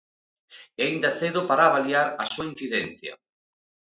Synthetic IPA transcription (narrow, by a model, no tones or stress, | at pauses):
eaind̪aθeðʊpaɾaːβaliaɾasuain̟θiðen̟θjɐ̰